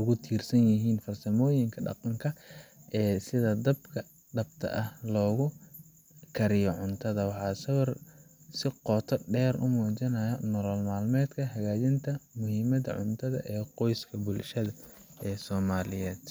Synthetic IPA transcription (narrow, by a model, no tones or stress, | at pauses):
ʊɣʊt̪ʰiːrsɐnjɪɦiːnfɐrsɐmɔːjɪŋkʰɐɖɑ̰qɑŋkʰɐʔɛːsɪðɐd̪ɐb̚kʰɐ | ɖɐb̚t̪ʰɐ̰ʔɐhlɔːɣʊ | kʰɐɾɪjɔʕʊnt̪ʰɐðɐwɑħɑːsɐwɐrsɪqɔːt̪ʰɐɖɛːɾʔʊ̰mɔːt͡ʃɐnɐjɐnɔlɔːlmaːlmɛːd̪kʰɐɦɐɣaːt͡ʃɪnt̪ʰɐmʊhiːmɐðɐ̰ʕʊ̰nt̪ʰɐðɐ̰ʔɛːqɔjskʰɐbʊlʃɐðɐ | ɛːsɔːmaːlɪjɛːd̪̥